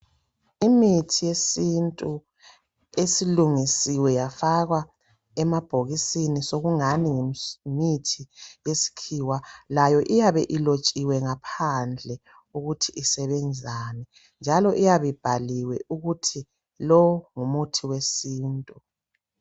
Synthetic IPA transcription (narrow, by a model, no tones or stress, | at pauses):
imitʰijesintʼu | esiluŋisiwɛjafaɣwa | ɛmab̥ʱoɣisinisoɣuŋaniŋemitʰijesi̥kʰiwalajɔʔijaβɛʔilot͡ʃʼiwɛŋapʰand͡ɮʱɛ | uɣutʰiʔːsɛβɛnd͡zʱaːnɛ | nd͡ʒʱalɔʔijaβib̥ʱaliwɛʔuɣutʰi | lɔŋumutʰiwesiːntʼu